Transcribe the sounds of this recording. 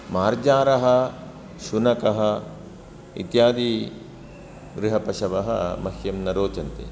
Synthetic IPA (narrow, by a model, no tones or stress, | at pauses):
maːɾd͡ʒaːɾɐɦɐ̆ | ʃunɐkɐɦɐ̆ | ḭt̪jaːd̪iː | ɡɾɪɦɐpɐʃɐʋɐɦɐ̰mɐhjɐmnɐɾoːt͡ʃɐnt̪ḛ